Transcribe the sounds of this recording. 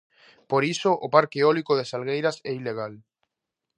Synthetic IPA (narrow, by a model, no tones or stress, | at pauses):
poɾisoʔopaɾkeɔlikoðesalɣejɾasɛileɣ̞al